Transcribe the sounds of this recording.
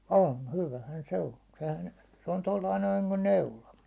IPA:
on hyʋæhæn se on̞ sehæn se on tolːɑi noin̞ niŋkun neulɑ

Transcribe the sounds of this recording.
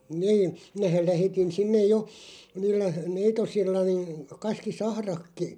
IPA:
niːn̞ minæhæl̆ læhetin sinːej jo niːlːæ neitosilːɑ niːn̞ kɑskisɑhrɑkːi

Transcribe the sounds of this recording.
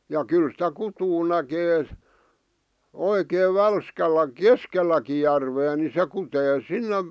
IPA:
jɑ kyl sĭtæ kutuː nækeː oikeːʋ ʋælskælˑæ keskelˑæki jærʋeː ni se kuteː sinːem

